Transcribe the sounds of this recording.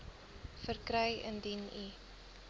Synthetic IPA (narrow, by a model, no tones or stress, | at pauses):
fərkɾəjə̰ndini